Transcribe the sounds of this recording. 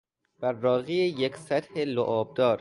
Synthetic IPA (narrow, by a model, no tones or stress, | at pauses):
b̥æɾːɒːɣiːejeksæt̪heloʔɒːb̚d̪ɒːɾ